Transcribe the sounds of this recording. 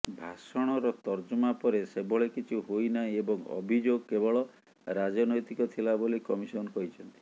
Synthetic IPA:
bʱasɔɽ̃ɔɾɔt̪ɔɾd͡ʒumapɔɾesebɔɭekit͡ʃʰuɦojnaiebɔŋɔ̰bʱid͡ʒoɡ̚kebɔɭɔ | ɾad͡ʒɔnɔjt̪ikɔt̪ʰilabolikɔmisɔnɔkɔɦit͡ʃʰɔnt̪i̥

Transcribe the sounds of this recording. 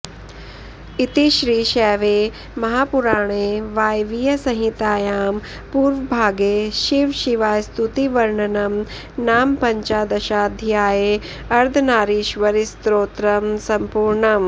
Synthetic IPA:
it̪iʃɾiːʃɛːʋeː | mɐɦaːpuɾaːɳ̃eːʋaːjʋijɐsɐɦit̪aːjaːm | puːɾʋbʱaːɡeːʃiʋʃiʋaːjst̪ut̪iʋɐɾɳɐnɐm | naːmpɐɲt͡ʃaːd̪ɐʃaːd̪ʱjaːje | ɐɾd̪ʱɐnaːɾiʃʋɐɾist̪ɾoːt̪ɾɐmsɐmpuːɾɳɐm

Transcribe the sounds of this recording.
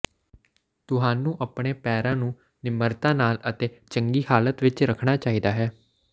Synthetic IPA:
t̪ʊɦaːnũːʔəpɳeːpɛːɾãːnũː | nɪməɾt̪ãːnaːlət̪eːt͡ʃəŋɡiːhaːlət̪ʋɪt͡ʃɾəkʰɽaːt͡ʃaːiːd̪aːɦɛː

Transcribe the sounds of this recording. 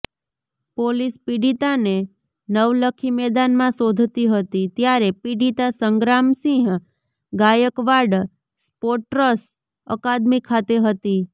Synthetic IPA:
polispiɖit̪ane | nəʋləkʰimɛd̪anmãsod̪ʱt̪iɦət̪it̪jaɾepiɖit̪asəŋɡɾamsĩɦ | ɡajəkʋaɖ | spoʈɾəs | ə̰kad̪mikʰat̪eɦət̪i

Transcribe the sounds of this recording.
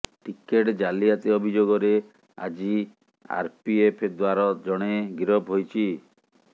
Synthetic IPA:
ʈikeʈd͡ʒaliat̪iɔbʱid͡ʒoɡɔɾe | a̰d͡ʒi | a̰ɾpiepʰed̪waɾɔd͡ʒɔɽ̃eɡiɾɔbʱɦojt͡ʃʰi

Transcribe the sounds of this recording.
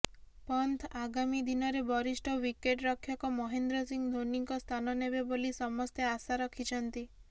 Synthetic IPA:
pɔnt̪ʰaɡamid̪inɔɾebɔɾisʈɔwikeʈɾɔkʰːjɔkɔmɔɦend̪ɾɔsiŋd̪ʱoniŋkɔst̪ʰanɔnebebolisɔmɔst̪easaɾɔkʰit͡ʃʰɔnt̪i

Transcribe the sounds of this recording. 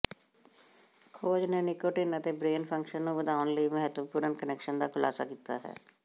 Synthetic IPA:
kʰoːd͡ʒneːnɪkoːʈɪnət̪eːbɾeːnpʰə̃ŋkʃənːũːbəd̪aːʋənləiːməɦət̪wəpuːɾənkənɛːkʃənd̪aːkʰʊla̰ːsa̰ːkiːt̪a̰ːɦɛ̰ː

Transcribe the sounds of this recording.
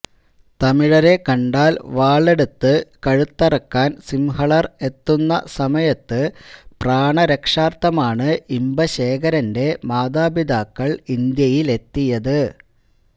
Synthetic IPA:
t̪ɐmiɻɐɾe̞kɐɳɖaːlʋaːɭe̞ɽut̪ːɨkɐɻut̪ːɐrɐkːaːnsimhɐɭɐre̞t̪ːunːɐ̰sɐmɐjɐt̪ːɨpraːɳɐɾekʂaːrt̪ːɐmaːɳɨimbɐɕe̞ːkɐɾɐnde̞maːd̪aːbid̪aːkːɐɭind̪jɐjile̞t̪ːijɐðɨ

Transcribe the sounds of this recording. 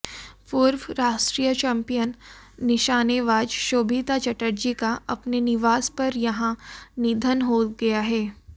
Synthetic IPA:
pʊɾʋɾaːʃʈɾiːjət͡ʃɛ̃ːmpijənː | ɪʃaːneʋaːd͡ʒʃoːbʱiːt̪at͡ʃɐʈəɾd͡ʒikaɐpnenɪʋaːspɐɾjɐɦãnɪd̪ʱənɦoːɡɐjaɦɛː

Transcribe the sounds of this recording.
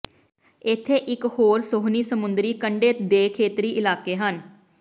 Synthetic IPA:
ɪt̪ʰːeːʔɪkhoːɾsʊɦniːsəmʊnd̪ɾiːkəɳɖeːt̪d̪eːkʰeːt̪ɾiːʔɪlaːkeːɦən

